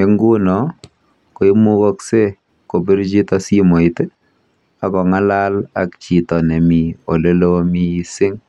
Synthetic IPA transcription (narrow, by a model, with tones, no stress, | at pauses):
e˦ŋɡu˦nɔ˨ | ko˨i˦mu˦kɔ˦kse˦ | ko˨bi˦ɾd͡ʒi˦tɔ˦si˦mo˨i˨te˦ | a˨kɔ˨ŋa˦la˦la̰˨kt͡ʃi˨tɔ˨ne˨mi˨o˨le˦lo˦mi˦i˦sɪ˦ŋ